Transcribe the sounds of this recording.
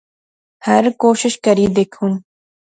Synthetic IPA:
hɐɾkoːʃɪʃkɐɾiːd̪ekʰun

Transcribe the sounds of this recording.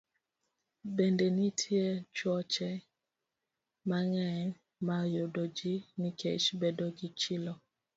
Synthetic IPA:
bendenitʰjet͡ʃwɔt͡ʃɛ | maŋɛɲ | majodod͡ʒinikʰḛʃbedoɡɪt͡ʃɪlɔ

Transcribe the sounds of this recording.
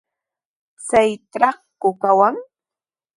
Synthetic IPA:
t͡sajtɾaχkʊkawaŋ

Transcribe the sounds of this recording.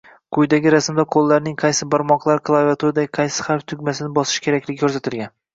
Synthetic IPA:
qʰʊjd̪aɡʲɪɾasmd̪aqʰolˠːaɾnɪŋqʰɑjsɪbɒɾmɒqlˠaɾkʰlˠavʲat̪ʰuɾd̪aqʰɑjsɪ̥χaɾft̪ʰʊɡʲmasɪnɪbɒsɪ̥ʃkʲʰeɾakʲlɪɡʲɪkʰɵɾsat̪ʰɪlɡʲan

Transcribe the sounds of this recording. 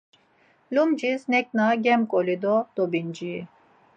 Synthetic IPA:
lumd͡ʒisnɛk̚ʼnaɡɛmkʼɔlid̪ɔd̪̥ɔbind͡ʒiː

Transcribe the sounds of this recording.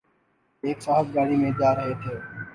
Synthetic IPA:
eːksaːɦəb̚ɡaːɽiːmẽːd͡ʒaːɾəɦeːt̪ʰeː

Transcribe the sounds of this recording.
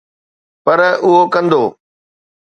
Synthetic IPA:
pɐɾʊɦokɐ̃nd̪oː

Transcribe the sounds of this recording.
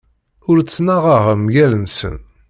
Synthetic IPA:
ʊɾt͡sːnaʁaʁəmjælənsə̰n

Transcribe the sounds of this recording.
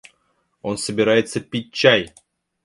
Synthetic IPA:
onsəbʲɪɾajɪt̪səpʲit̚ʲt͡ɕːaj

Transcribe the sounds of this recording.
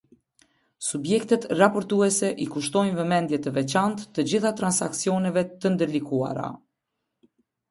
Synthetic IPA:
subjɛkt̪ɛt̪rapɔɾt̪uɛsɛʔikuʃt̪ɔjnvɛmɛnd̪jɛt̪əvɛt͡ɕant̪ːəd͡ʑiθat̪ɾansaksiɔnɛvɛt̪ənd̪əɾlikua̰ɾa̰

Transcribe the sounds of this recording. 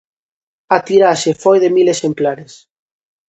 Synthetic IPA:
at̪iɾaʃefojðemilesemplaɾes

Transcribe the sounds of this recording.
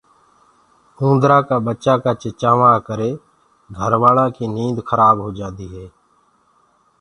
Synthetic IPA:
ũːnd̪ɾãːkaːbətːt͡ʃaːkaːt͡ʃət͡ʃaːʋãːkəɾeː | ɡʱəɾʋaːlãːkiːniːnd̪xʰəɾaːbɦoːd͡ʒãːd̪iːɦɛː

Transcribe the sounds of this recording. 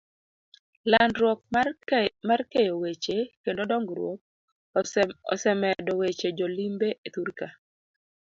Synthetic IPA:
landɾwɔk̚ | markejowet͡ʃekendodɔŋɡɾwo̰k̚ | ɔ̰sɛmɛdɔwet͡ʃed͡ʒolimbeʔet̪uɾka

